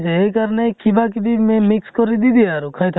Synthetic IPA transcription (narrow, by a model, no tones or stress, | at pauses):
t͡ʃeekaɾnekibakibʱimemikskɔɾid̪id̪iaɾukʰajt̪ʰ